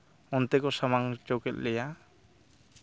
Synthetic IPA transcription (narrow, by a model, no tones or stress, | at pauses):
ɔnt̪ɛkɔsamaŋt͡ʃokɛt̪̚lɛja